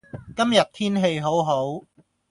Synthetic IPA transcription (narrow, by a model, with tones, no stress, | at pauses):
kɐ˥mjɐ˨t̚t̪ʰiː˥nɦe˧jɦo˨˥wɦo˨˥w